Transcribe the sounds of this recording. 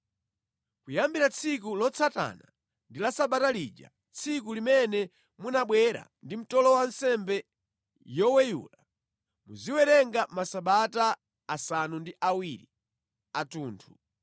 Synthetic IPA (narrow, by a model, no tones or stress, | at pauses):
kujambiɾat͡sʰikulɔt͡sʰata̰na | ndilasaɓatalḭd͡ʒa̰ | t͡sʰik̬ulimɛnɛ | munaɓwɛɾa̰ndim̩tɔlɔwan̩sɛmbɛ | jɔwɛjṵːla | muziwɛɾɛŋɡamasaɓataː | sanundiʔawiɾi | atuːntʰu